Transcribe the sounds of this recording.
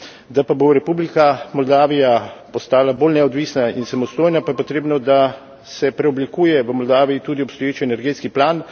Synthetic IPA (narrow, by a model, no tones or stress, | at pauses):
d̪apaboɾɛpublikamɔld̪aːʋijapɔst̪aːlabolnɛɔd̪ʋiːsnainsamɔst̪oːjnapajɛpot̪ɾeːbnɔd̪a | sɛpɾɛɔblikuːjɛʋəmɔld̪aːʋijit̪uːd̪iɔpst̪ɔjeːt͡ʃiɛnɛɾɡeːt̪skiplaːn